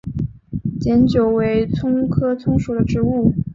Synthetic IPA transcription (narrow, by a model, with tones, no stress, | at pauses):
t͡ɕjɛ˧˥nt͡ɕjo˨˩ʊwe˧˥ɪt͡sʰʊ˥ŋkʰɤ˥t͡sʰʊ˥ŋʂu˨˩d̪ə˩˦ʈ͡ʂɻ̩˧˥u˥˩